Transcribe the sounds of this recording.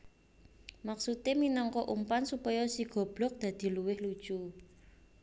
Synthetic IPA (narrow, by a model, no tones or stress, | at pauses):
maksut̪eminɔŋkɔʔumpansupɔjɔsiɡ̥ɔ̤b̥lɔ̤k̚d̪̥a̤d̪̥i̤luwɪhlud̥ʒ̥u